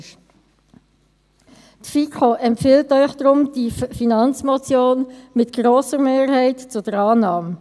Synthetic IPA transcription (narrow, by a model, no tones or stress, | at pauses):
tfikʰoʔɛmpfɪltœʏχd̥ɾʊmd̥ifinɑnt͡smɔt͡sjoːnmɪtɡ̥ɾoːsəʁmeːʁɦɛɪtt͡sʊd̥əɾɑːnɑːm